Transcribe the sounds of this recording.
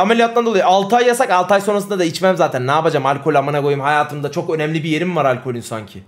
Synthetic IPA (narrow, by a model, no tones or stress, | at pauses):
amelʲijat̪lˠand̪olˠajualˠt̪ʰajːasakalˠt̪ajso̞nɾasɯnd̪ad̪ait͡ʃmæmzaːt̪ʰænːaːbad͡ʒamalʲkʰo̞lʲamanaɡojumhajaːt̪ʰɯmd̪at͡ʃʰo̞kø̞nɛmlʲibije̞ɾimmaɾalʲkʰo̞lʲinsaɲcʰɪ